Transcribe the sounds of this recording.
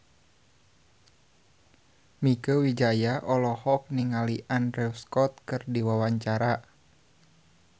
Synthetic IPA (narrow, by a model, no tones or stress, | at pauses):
mikəwid͡ʒajaʔɔlɔhɔk̚niŋaliʔandɾɛwskɔt̪̚kɨrdiwawaɲt͡ʃaɾa